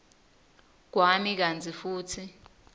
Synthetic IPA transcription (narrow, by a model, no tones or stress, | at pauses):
k̬wamik̬ant͡sʼifuːtʰi